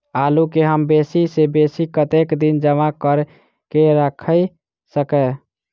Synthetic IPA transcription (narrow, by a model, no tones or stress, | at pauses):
alukeɦəmbesisebesikət̪ekd̪ind͡ʒəmakəɾ | keɾəkʰə | səkɛ